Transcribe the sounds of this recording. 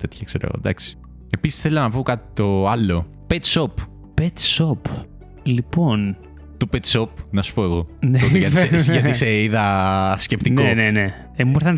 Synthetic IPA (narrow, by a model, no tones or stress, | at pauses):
t̪e̞t̪çɐkseɾoɐ̰ɣo̰d̪ɐ̰ksi̥ | e̞pisi̥sθe̞lɐnɐpokɐt̪i̥t̪o̞ɐlo̞ | pet̪sop | pet̪sop | lipon | t̪opet̪sop̚nɐsu̥po̞eɣo̞neoiʝɐt̪isesʝɐiseiðɐsce̞pt̪inkoenene | emumoɾθɐn